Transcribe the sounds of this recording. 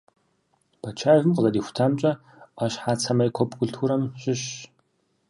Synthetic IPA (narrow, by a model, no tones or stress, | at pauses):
b̥ɐt͡ʃʰaːjvɨmqəzɐdiːxʷʊ̥tʰaːmt͡ʃʼɐ | aːɕħaːt͡sʰɐmɐjkʷʰɔpɡʷʊɮtʰuɾɐmɕʼɪɕ